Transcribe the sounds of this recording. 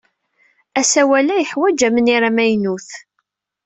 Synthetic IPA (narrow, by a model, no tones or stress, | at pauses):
æsæwælæjəħwæd͡ʒæməniɾamæjnuθ